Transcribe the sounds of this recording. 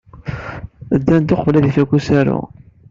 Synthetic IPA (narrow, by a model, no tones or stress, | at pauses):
d̪ːænt̪oqvlæðifækʷːusæɾṵ